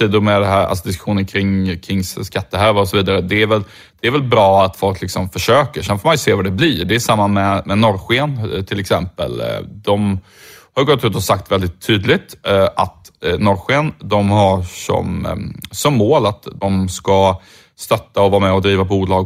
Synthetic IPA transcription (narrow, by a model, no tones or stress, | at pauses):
iːd̪ʊɾmɛd̪ɛɦæːɾa̰lsɔd̪ɪskɵ̥ɧuːnənkʰɾɪŋːkʰɾɪŋːsskat̪ːəɦøɾvaɔsɔviːd̪aɾəd̪ɛːɾvɛl | d̪̥ɛæɾvɛlbɾɑːat̪fɔlklɪksɔmfœʂøːkəɾsɛnfɔːmanjɵseːvaɖɛbliɖɛːʂamːamɛmɛnɔɾɧeənt̪ʰɪlɛksɛ̰mpə̰ld̪ɔm | hajɡɔt̪ːʉ̟ːt̪ɔsak̚t̪vɛld̪ɪt̪ʰːyːd̪lɪt̪ʔat̪nɔɾɧend̪ɔmhaʂɔ̰msɔmːoːlat̪d̪ɔmska | st̪œt̪ːaɔvɑːɾamɛɔd̪ɾiːvapbuːlɑːɡ